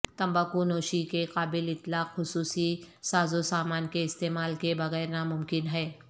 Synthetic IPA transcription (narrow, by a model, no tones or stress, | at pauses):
t̪ɐ̃mbaːkunoːʃikeqaːbɪlɪt̪laːqxʊsuːsisaːzosaːmaːnkeɪst̪eːmaːlkebɐɣɛːɾnamʊmkɪnɦɛː